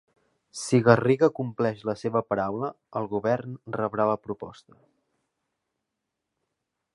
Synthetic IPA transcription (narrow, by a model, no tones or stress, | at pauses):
siɣəriɣəkumplɛʃləseβəpəɾawlə | əlˠɣuβɛrnrəβɾaβəpɾupɔ̰st̪ə